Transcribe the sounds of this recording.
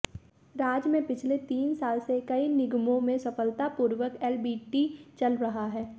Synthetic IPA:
ɾaːd͡ʒmẽpɪt͡ʃʰlet̪iːnsaːlsekɐinɪɡmõmẽswɐfəlt̪apuːɾwəkɛːlbiːʈit͡ʃɐlɾɐɦaɦɛː

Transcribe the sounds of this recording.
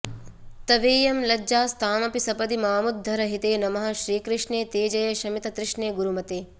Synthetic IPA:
t̪ɐʋeːjɐmlɐd͡ʒːaːst̪ʰaːmɐpisɐpɐd̪imaːmud̪̚d̪ʱːɐɾɐɦit̪eːnɐmɐɦɐ̆ʃɾiːkɾɪʂɳeːt̪eːd͡ʒɐjɐʃɐmit̪ɐt̪ɾɪʂɳeːɡuɾumɐt̪eː

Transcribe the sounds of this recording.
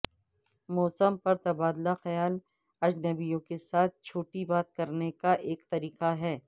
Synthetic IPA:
mɔːsəmpɐɾt̪ɐbaːd̪laxɐjaːl | ɐd͡ʒnɐbijõkesaːt̪̚ʰt͡ʃʰoːʈibaːt̪̚kɐɾnekaʔeːkt̪ɐɾiːqaɦɛː

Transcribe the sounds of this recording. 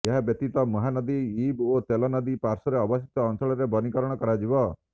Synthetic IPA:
jeɦabjɔt̪it̪ɔmɔɦanɔd̪iːbot̪elɔnɔd̪ipaɾsɔɾeɔbɔsit̪ɔːnsɔɭɔɾebɔnikɔɾɔɽ̃ɔkɔɾad͡ʒibɔ

